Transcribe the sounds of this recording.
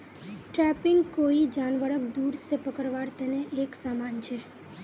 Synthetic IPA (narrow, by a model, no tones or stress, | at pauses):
ʈɾɛpɪŋɡkoid͡ʒanʋəɽək̚d̪uɾsepəkəɾʋaɾt̪əneʔeksamant͡ʃʰe